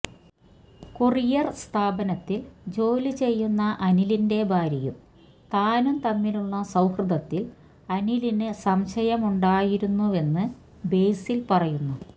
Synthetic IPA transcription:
kurijɐrst̪ʰaːbɐnɐt̪ːild͡ʑo̞ːlit͡ɕe̞jːunːɐʔɐnilinde̞bʱaːɾɐjṵm | t̪aːnumt̪ɐmːiluɭːɐsɐwhrɨd̪ɐt̪ːil | ɐnilinɨsɐmɕɐjɐmuɳɖaːjiɾunːue̞nːɨ | be̞jsilpɐrɐjunːu

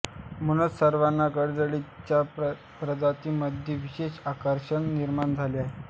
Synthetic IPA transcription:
munət͡ssəɾʋanːakəɾd͡zəɽit͡ɕja | pɾəd̪ʱat̪iːməd̪ʱjeʋiɕeɕakəɾɕəɳniɾmand͡zʱaliaɦe

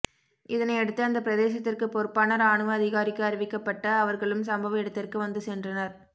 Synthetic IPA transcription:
ɪðɐnɐɪɛɽɯt̪ːɯɐnd̪ɐpːɪɾɐðeːsɐt̪ːɪrkɯpɔɾɯpːaːnɐɾaːɳɯʋɐːðɪɣaːɾɪkːɯɐɾɪʋɪkːɐpːɐʈːɐːʋɐɾɣɐɭɯmsɐmbɐʋɐɛɽɯt̪ːɪrkɯʋɐnd̪ɯsɛndrɐnɐɾ

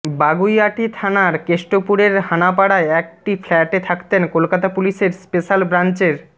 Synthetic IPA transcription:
baɡujaʈit̪ʰanaɾkeʃʈopuɾeɾɦanap̬aɽaeɛk̚ʈiflɛʈet̪ʰakt̪enkolkat̪apuliʃeɾspeʃalbɾant͡ɕeɾ

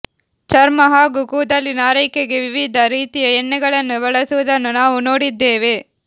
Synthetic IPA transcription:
t͡ʃɐɾmɐɦaːɡukuːd̪ɐlːinaːɾɐjkeɡeʋiʋid̪ʱɐɾiːt̪ijɐɛnːɛɡɐɭɐnːubɐɭɐsuʋud̪ɐnːunaːʋuno̞ːɽid̪ːeːʋe

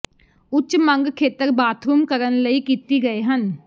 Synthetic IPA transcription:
ʊtːʃmə̃ŋɡkʰeːt̪əɾbaːt̪ʰɾuːmkəɾənləiːkiːt̪iːɡəeːɦən

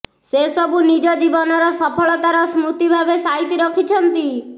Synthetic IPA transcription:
sesɔbunid͡ʒɔd͡ʒibɔnɔɾɔsɔpʰɔɭɔt̪aɾɔsmɾut̪ibʱabesaɦit̪iɾɔkʰit͡ʃʰɔnt̪i

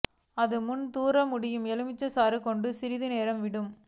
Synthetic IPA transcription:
ɐðɯmʊnt̪uːɾɐmʊɽɪjɯmɛlɯmɪt͡ʃːɐsaːɾɯkɔɳɖɯsɪɾɪðɯneːɾɐmʋɪɽɯm

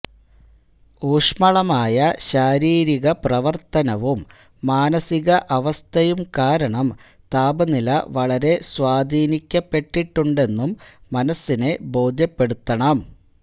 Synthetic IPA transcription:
uːʂmɐɭɐmaːjɐɕaːɾiːɾiɣɐprɐʋɐrt̪ɐnɐʋumː | aːnɐsiɣɐʔɐʋɐst̪ʰɐjumkaːɾɐɳɐm | t̪aːbɐnilɐʋɐɭɐɾe̞swaːd̪ʱiːnikʲːɐpːe̞ʈːiʈːuɳɖe̞nːumːɐnɐsːine̞bo̞ːd̪ʱjɐpːe̞ɽut̪ːɐɳɐm

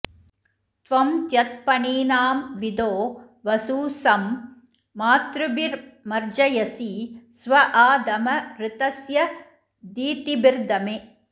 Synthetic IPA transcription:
t̪ʋɐmt̪jɐt̪̚pɐɳiːnaːmʋɪd̪oː | ʋɐsuːsɐmː | aːt̪ɾɯbiɾmɐɾd͡ʒɐjɐsisʋɐʔaːd̪ɐmɐɾɪt̪ɐsjɐ | d̪iːt̪ibɪɾd̪ɐme

